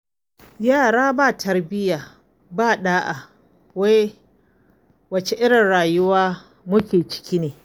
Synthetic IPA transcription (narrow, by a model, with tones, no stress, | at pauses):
jaː˦˨ɽaː˦baː˦˨tʰɐ˦rbɪ˦jaː˨ | baː˦˨ɗaː˦ʔa˨ | wa˦j | wɐ˨t͡ʃe˨ʔɪ˦ɽɪ˨nɽaː˨jʊ˦waː˦ | mʊ˦kʲeː˨t͡ʃɪ̥˦kʲi˦neː˨